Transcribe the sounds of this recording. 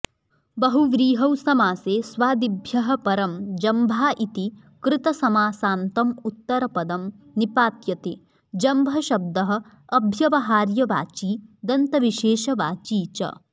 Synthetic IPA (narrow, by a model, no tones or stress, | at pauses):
bɐɦuʋɾiːɦɐwsɐmaːseːsʋaːd̪ibʱjɐɦɐ̆pɐɾɐmd͡ʒɐmbʱaːʔit̪i | kɾɪt̪ɐsɐmaːsaːnt̪ɐmut̪ːɐɾɐpɐd̪ɐm | nipaːt̪jɐt̪eː | d͡ʒɐmbʱɐʃɐb̚d̪ɐɦɐ̆ː | bʱjɐʋɐɦaːɾjɐʋaːt͡ʃiːd̪ɐnt̪ɐʋiʃeːʃɐʋaːt͡ʃiːt͡ʃɐ̰